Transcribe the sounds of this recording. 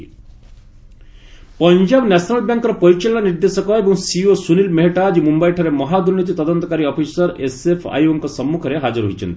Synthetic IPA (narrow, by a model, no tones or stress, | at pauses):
pɔɲd͡ʒabnɛsʰnalbjaŋkɔɾɔpɔɾit͡ʃelːaniɾd̪esɔkɔebɔŋsiosunilmeɦeʈad͡ʒimumbajʈʰɔɾemɔɦad̪uɾnit̪̬it̪ɔd̪ɔnt̪ɔkaɾiɔpʰisɔɾesepʰa̰juɔŋkɔsɔmːukʰɔɾeɦad͡ʒɔɾɦo̰jt͡ʃʰɔ̰nt̪i